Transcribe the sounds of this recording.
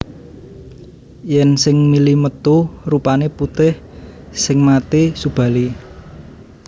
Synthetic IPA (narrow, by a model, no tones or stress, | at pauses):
jɛnsɪŋmilimət̪urupaneput̪ɪh | sɪŋmat̪isub̥ä̤li